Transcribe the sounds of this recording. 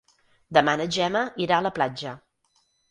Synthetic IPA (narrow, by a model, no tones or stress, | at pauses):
d̪əmanəʒɛməiɾaələplad͡ʒə